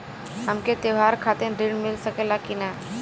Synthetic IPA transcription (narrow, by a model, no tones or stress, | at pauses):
ɦəmket̪eʋaːɾkʰaːt̪ẽɖiɖmɪlsəkelakina